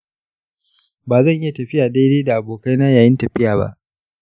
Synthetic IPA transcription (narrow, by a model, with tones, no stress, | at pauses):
baː˨zɐ˦˨ɲʔɪ˦ja˨tɐ˨ɸɪ˦jaː˨da˦leː˦da˨ʔa˨boː˨ka˦jnaː˦jaː˨jɪ˦ntɐ˨ɸɪ˦jaː˨ba̰˦ʔ